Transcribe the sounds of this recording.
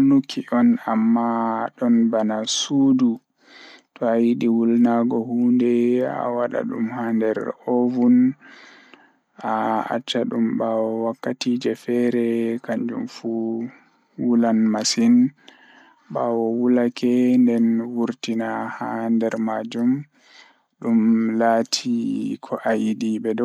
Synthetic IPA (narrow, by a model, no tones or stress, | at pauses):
nukʰːiɔnamːaɗɔnbanasuːdu | tɔajiɗiwulnaɡɔhuːndɛa̰waɗa̰ɗṵmhandɛɾɔvun | aa̰t͡ʃːaɗumbawɔwakːatiːd͡ʒɛfɛɾɛkaɲd͡ʒṵmfu | wulanmasin | ɓaːwɔwulakɛndɛnwuɾtinahandɛɾmad͡ʒum | ɗumlaːtʰikʰɔʔajiɗiɓɛdɔ